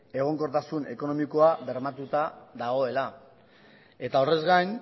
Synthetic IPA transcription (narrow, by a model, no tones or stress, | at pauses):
e̞ɣ̞o̞ŋko̞ɾt̪asune̞ko̞no̞miko̞aβe̞ɾmat̪ut̪aðaɣ̞o̞e̞la | e̞t̪ao̞re̞zɣajn